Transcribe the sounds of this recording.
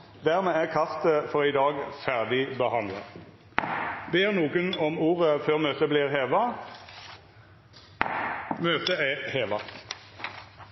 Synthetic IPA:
d̪æːʁmeːæːʁkʰɑft̪əfɔʁiːd̪ɑːɡfæʁd̪ɪbəhɑnd̪lə̰ | beːʁnuːɡənɔmuːʁəføːʁmøːt̪əbliːʁɦeːʋɑ | møːt̪əæheːʋɑ

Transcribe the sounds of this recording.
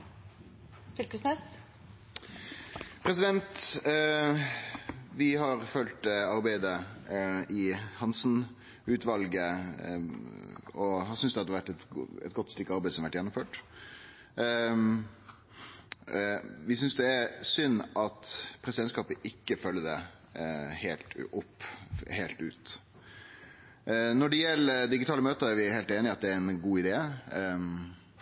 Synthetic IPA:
fɪlkəsnes | pʰɾɛs̬ɪd̪ɛnt̪ | ʋɪɦɑɾfœlt̪ɑɾbæɪd̪ə | ɪhɑnsn | ʉːt̪ʰʋɑlɡə | ɔhɑsʏnsd̪ɛhɑd̪əʋæʈːɛt̪ɛ̰t̪̚ɡɔt̪ːst̪ʏkːɑɾbæɛɪsɔmʋæʈːjɛnːɔmføːʈ | ʋɪsʏnsd̪ɛæɾsʏnːʔɑt̪pʰɾɛsɪd̪ɛnskɑːpəʔɪkːəfœlːəd̪ɛ | heːlt̪ɔpːheːlt̪ʉ̰ːt̪ | nɔɖɛjɛlːəɾd̪ɪɡɪt̪ʰɑːləmøːt̪əɾæɾʋɪheːlt̪eːnɪɑt̪̚d̪ɛæɾɛnɡuːɪd̪eː

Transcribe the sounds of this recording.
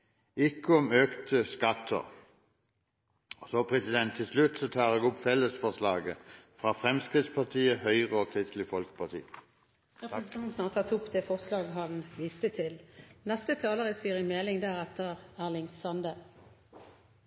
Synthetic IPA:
ɪkːəɔmøːkt̪ʰəskɑt̪ʰːə̰ʁ | soːpʰʁɛsɪd̪ɛnt̪ʰːɪlslʉt̪sɔt̪ʰɑːʁɛːɡɔpfɛlːəsfɔslɑːɡəfʁɑːfʁɛmskʁɪt̪spʰɑt̪ʰiːəhœʏʁəoːkʰʁɪst̪lɪfɔlkə̥pʰɑt̪ʰḭː | st̪ʰɑnt̪n̩ɔt̪ʰɑt̪ʊpd̪eːfɔʁslɑːɡɦɑnʋɪːst̪ət̪ʰɪlnɛst̪ət̪ʰɑːləʁəsiːəʁɪmeːlɪŋd̪æːʁɛt̪ːəʁæːʁlɪŋsɑnd̪ə

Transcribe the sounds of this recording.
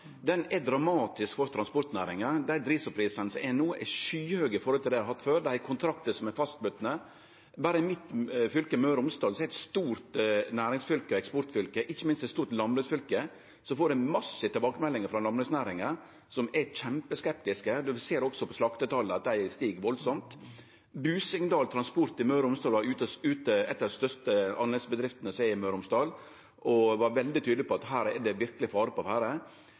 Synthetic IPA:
d̪ɛnɛd̪ɾɑmɑːt̪ɪskfɔɾt̪ʰɾɑnspɔɾt̪næːɾɪŋəd̪æd̪ɾiːsɔpʰɾiːsənsɛnuːʔɛʂyːhøːɡəfɔɾɔlʰɪld̪æhɑt̪ːføːɾd̪ækʰʊnt̪ʰɾɑk̚t̪əsɔmɛfɑst̪̚bʉt̪ːnə | bɑːɾəmɪt̪fʏlkəmøːɾʊmst̪ɑːlsɔæɪɛt̪st̪uːɾt̪næːɾɪŋsfʏlkəɛkspɔɾʈ̪fʏlkəʔɪçːəmɪnst̪ɛt̪st̪uːɾt̪lɑmlʉsfʏlkə | sɔfoːɾɛmɑsːət̪ʰɪlbɑːkəmɛlːɪŋəɾfɾɑlɑmlʉsnæːɾɪŋəɾ | sɔmæçɛmpəskɛp̚t̪ɪskəd̪ʉseːɾɔksɔpʰɔslɑkt̪ət̪ʰɑlːəɑt̪̚d̪æɪst̪iːɡʋɔlsɔmt̪ | bʉːsɪŋnd̪ɑːlt̪ʰɾɑnspʊɾt̪ɪmœʉɾʊmst̪ɑːlʋɑɾʉːt̪əʉːt̪əɛ̰t̪ːɑst̪œʂt̪əɑnɛsbəd̪ɾɪft̪ənəsæɪɪmœʉɾʊmsd̪ɑːl | ʔɔʋɑɾʋɛld̪ɪt̪ʰyːd̪lɪpʰɔɑt̪ɦæːɾɛdɛʋɪɾkəlɪfɑːɾəpɔɑʋæːɾə

